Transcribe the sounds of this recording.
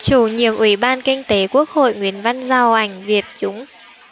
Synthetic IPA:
t͡ɕu˧˩ɲi˨˩əmʔwi˧˩ɓaː˧nkï˧ŋ̟t̪e˨˦ku˦˥ək̚ho̰˧˨jŋwi˨ənva˧nzaː˧˩wʔa˧˩jŋ̟vi˨˩ət̚t͡ɕʊ˨˦ŋ͡m

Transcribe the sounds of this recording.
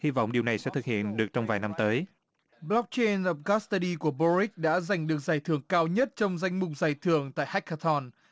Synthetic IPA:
hi˧va̰˧˨wŋ͡mɗi˨˩əwna˨˩jsɛ̰˧˥t̪ʰɨ˨˩k̚hḭ˧˨ənɗɨ˨˩ək̚t͡ɕɔ˧wŋ͡mvaː˨˩jna˧mt̪əː˨˦j | blɔ˦˥k̚t͡ɕe˧nʔə˨˧˩p̚ka˦˥st̪ə˧ɗi˧ku˧˩əɓɔ˧zi˦˥k̚ɗa̰ː˧˥za˨˩jŋ̟ɗɨ˨˩ək̚zaː˨˩jt̪ʰɨ˧˩əŋkaː˧wɲə˦˥t̚t͡ɕɔ˧wŋ͡mza˧jŋ̟mʊ˨˩k͡p̚zaː˨˩jt̪ʰɨ˧˩əŋt̪a̰ː˧˨jha˦˥k̟̚ha˧t̪ʰɔ˧˩n

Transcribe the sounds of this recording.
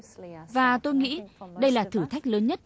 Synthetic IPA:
vaː˨˩t̪o˧jŋḭ˧˥ɗə˧jlaː˨˩t̪ʰɨ˧˩t̪ʰa˦˥jk̟̚ləː˨˦nɲə˦˥t̚

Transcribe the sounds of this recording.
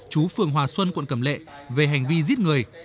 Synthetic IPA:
t͡ɕu˨˦fɨ˨˩əŋɦwaː˨˩swə˧nkwə̰˧˨nkə˧˩mlḛ˧˨ | ve˨˩ɦa˨˩jŋ̟vi˧zi˦˥ət̚ŋɨ˨˩əj

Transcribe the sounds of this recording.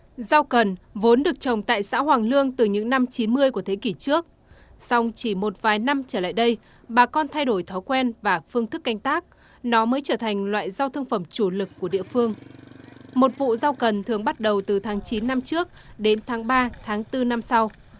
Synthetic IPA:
zaː˧wkə˨˩nvo˨˦nɗɨ˨˩ək̚t͡ɕə˨˩wŋ͡mt̪a̰ː˧˨jsa̰ː˧˥ɦwaː˨˩ŋlɨ˧əŋt̪ɨ˨˩ɲɨ̰˧˥ŋna˧mt͡ɕi˨˦nmɨ˧əjku˧˩ət̪ʰe˨˦ki˧˩t͡ɕɨ˦˥ək̚ | sa˧wŋ͡mt͡ɕi˧˩mo˨˩t̚vaː˨˩jna˧mt͡ɕəː˧˩la̰ː˧˨jɗə˧j | ɓaː˨˩kɔ˧nt̪ʰa˧jɗo˧˩jt̪ʰɔ˨˦jkwɛ˧nvaː˨˩fɨ˧əŋt̪ɨ˦˥k̚ːa˧jŋ̟t̪aː˦˥k̚ | nɔ˨˦məː˨˦jt͡ɕəː˧˩t̪ʰa˨˩jŋ̟lwa̰ː˧˨jza˧wt̪ʰə˧ŋfə˧˩mt͡ɕu˧˩lɨ˨˩kːu˧˩əɗḭ˧˨əfɨ˧əŋ | mo˨˩t̚vṵ˧˨zaː˧wkə˨˩nt̪ʰɨ˨˩əŋɓa˦˥t̚ɗə˨˩wt̪ɨ˨˩t̪ʰaː˨˦ŋt͡ɕi˨˦nːa˧mt͡ɕɨ˦˥ək̚ɗe˨˦nt̪ʰaː˨˦ŋɓaː˧t̪ʰaː˨˦ŋt̪ɨ˧na˧msa˧w

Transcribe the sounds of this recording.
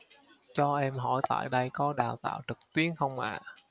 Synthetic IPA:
t͡ɕɔ˧ʔɛ˧mɦɔ̰˧˩jt̪a̰ː˧˨jɗə˧jkɔ˨˦ɗaː˨˩wt̪a̰ː˧˨wt͡ɕɨ˨˩k̚t̪wi˨˦˥ənxə˧wŋ͡mʔa̰ː˧˨

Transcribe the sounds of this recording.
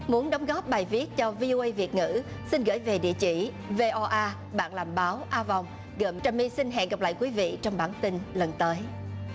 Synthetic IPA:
mu˨˦ənɗə˨˦wŋ͡mɣɔ˦˥p̚ɓaː˨˩jvi˦˥ət̚t͡ɕɔ˧vi˧ʔo˧ʔə˧jvi˨˩ət̚ŋɨ̰˧˥ | si˧nɣə̰˧˩jve˨˩ɗḭ˧˨ət͡ɕḭ˧˩ | ve˧ʔɔ˧ʔaː˧ | ɓa̰ː˧˨nlaː˨˩mɓaː˨˦wʔaː˧va˨˩wŋ͡m | ɣə˨˧˩mt͡ɕaː˧˩mi˧si˧nɦɛ̰˧˨nɣa˨˩p̚la̰ː˧˨jkwi˨˦vḭ˧˨t͡ɕɔ˧wŋ͡mɓaː˧˩nt̪i˧nlə˨˩nt̪əː˨˦j

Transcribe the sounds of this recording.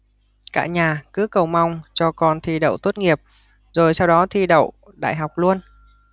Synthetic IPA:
ka̰ː˧˩ɲaː˨˩kɨ˨˦kə˨˩wma˧wŋ͡mt͡ɕɔ˧kɔ˧nt̪ʰi˧ɗə̰˧˨wt̪o˦˥t̚ŋi˨˩əp̚ | zo˨˩jsa˧wɗɔ˨˦t̪ʰi˧ɗə̰˧˨w | ɗa̰ː˧˨jɦa˨˩wk͡p̚lu˧ən

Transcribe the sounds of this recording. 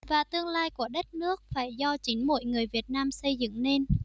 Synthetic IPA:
vaː˨˩t̪ɨ˧əŋlaː˧jku˧˩əɗə˦˥t̚nɨ˦˥ək̚faː˧˩jzɔ˧t͡ɕi˨˦nmo̰˧˨jŋɨ˨˩əjvi˨˩ət̚naː˧msə˧jzɨ̰˧˨ŋne˧n

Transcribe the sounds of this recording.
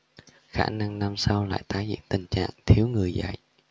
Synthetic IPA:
xaː˧˩na˧ŋna˧msa˧wla̰ː˧˨jt̪aː˨˦jzḭ˧˨ənt̪ï˨˩ŋ̟t͡ɕa̰ː˧˨ŋt̪ʰi˨˦əwŋɨ˨˩əjza̰˧˨jʔ

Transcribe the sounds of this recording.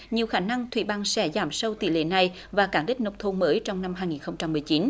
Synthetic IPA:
ɲi˨˩əwxaː˧˩na˧ŋt̪ʰwḭ˧˩ɓaː˧ŋsɛ˧˩zaː˧˩msə˧wt̪ḭ˧˨lḛ˧˨na˨˩j | vaː˨˩kaː˧˩ŋɗï˦˥k̚nə˨˧˩w̚t̪ʰo˧nməː˨˦jt͡ɕɔ˧wŋ͡mna˧mɦaː˧jŋi˨˩nxə˧wŋ͡mt͡ɕa˧mːɨ˨˩ət͡ɕi˨˦n

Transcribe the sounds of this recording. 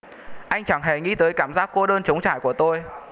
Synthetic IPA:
ʔa˧jŋ̟t͡ɕa˧˩ŋɦɛ˨˧˩ŋḭ˧˥t̪əː˨˦jkaː˧˩mzaː˦˥k̚kːo˧ɗəː˧nt͡ɕə˨˦wŋ͡mt͡ɕa̰ː˧˨jku˧˩ət̪o˧j

